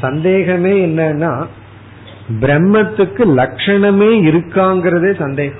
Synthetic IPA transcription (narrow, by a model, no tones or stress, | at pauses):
sɐnd̪eːɣɐmeːɛnːɐnːaː | bɪɾɛmːɐt̪ːɯkːɯlɐkʂɐɳɐmeːɪɾɯkːaːŋɡɪɾɐðeːsɐnd̪eːɣɐ